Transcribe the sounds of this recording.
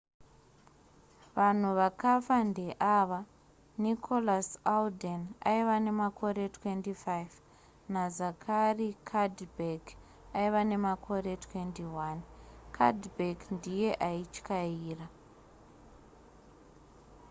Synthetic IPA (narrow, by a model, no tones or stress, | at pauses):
ʋan̤uʋakafandeʔaʋa | nikʰo̞lasaldena̰iʋane̞makʰo̞ɾe̞twe̞ntifaiv | nazakʰarikʰadbeɡ | aiʋane̞makʰo̞re̞tʰwe̞ntiwankʰa̰dbʱekndije̞ʔait͡ʃkaiːra